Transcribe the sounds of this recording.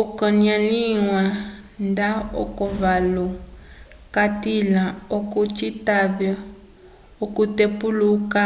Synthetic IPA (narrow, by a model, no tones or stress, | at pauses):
ukɔnialiwa | ndaɔ̰kɔβalɔ | katilaokut͡ʃitaβɛ | okutepuluka